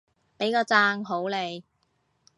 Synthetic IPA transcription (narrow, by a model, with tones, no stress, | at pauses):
pe˨˥jkɔː˧t͡saː˧˥ŋɦo˨˥wle˨˧j